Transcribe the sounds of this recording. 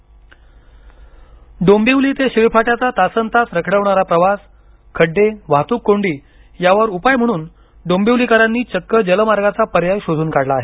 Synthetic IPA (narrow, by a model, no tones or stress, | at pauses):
ɖombiwliːt̪eɕiʋpʰaʈjat͡sat̪asənt̪asɾəkʰɽəʋɳaɾapɾəʋas | kʰəɖːeʋ̤at̪uːkːoɳɖiː | jaʋəɾupajm̤əɽ̃uːn | ɖombiwlikaɾanːiːt͡ɕəkːəd͡ʑələmaɾɡat͡sapəɾjajɕod͡z̪ʱuːnkaɽlaːɦe